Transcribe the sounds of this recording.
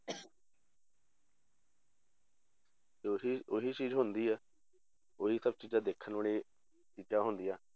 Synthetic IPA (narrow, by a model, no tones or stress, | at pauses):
iʊɦiːt͡ʃiːzɦʊ̃nd̪iːɛː | ʊɦiːsəb̚t͡ʃiːd͡ʒãːd̪eːkʰənoɳeː | t̪iːt̪aːɦʊnd̪ijaː